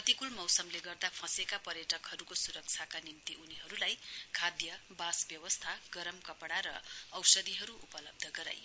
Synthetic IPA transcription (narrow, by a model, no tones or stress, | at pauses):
ʌt̪ikulmʌwsʌmleɡʌrd̪apʰʌ̃sekapʌɾjʌʈʌkhʌɾukosuɾʌk̚t͡sʰakanimt̪iʔuniɦʌɾulajkʰad̪jʌbasbjʌwʌst̪ʰaɡ̥ʌɾʌmkʌpɽaɾʌ̰ʌwsʌd̪iɦʌɾuʔupʌlʌb̚d̪ʱʌɡʌɾa̰j